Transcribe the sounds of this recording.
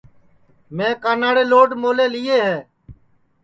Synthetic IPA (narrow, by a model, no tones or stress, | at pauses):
mẽːkaːnaːɽeːloːɖmoːleːlɪːeːɦɛː